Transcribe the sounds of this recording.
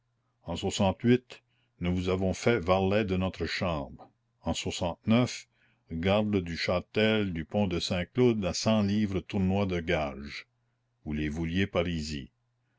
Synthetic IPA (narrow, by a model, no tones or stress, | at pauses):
ɑ̃swasɑ̃t̪ɥɪt̪ | nuvuzavɔ̃fɛvaʁlɛd̪ənɔt̪ɾəʃɑ̃ːbʁ | ɑ̃swasɑ̃t̪nœf | ɡaʁd̪əd̪yʃat̪ɛld̪ypɔ̃d̪əsɛ̃klod̪asɑ̃liːvɾət̪uʁnwad̪əɡaʒ | ulevuljepaɾizḭ